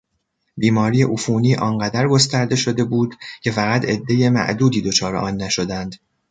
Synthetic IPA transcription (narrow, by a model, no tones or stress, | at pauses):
biːmɒːɾijeʔufuːniːʔɒːnɢæd̪æɾɡo̞st̪æɾd̪e̞ʃo̞d̪e̞buːd̪̥cʰe̞fæɣæt̪ʰe̞d̪ːe̞je̞mæ̰ʔd̪uːd̪iːd̪o̞t͡ʃʰɒːɾe̞̰ʔɒːnːæʃo̞d̪ænd̪̥